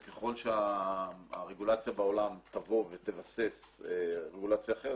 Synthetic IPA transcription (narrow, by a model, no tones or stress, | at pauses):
keχo̞lʃeaː | ʁeɡulat͡sjabao̞lamt̪avo̞vet̪evaseseʁeɡulat͡sjaːχeʁ